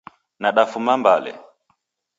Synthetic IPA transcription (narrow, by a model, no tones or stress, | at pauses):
naɗafumambalɛ̰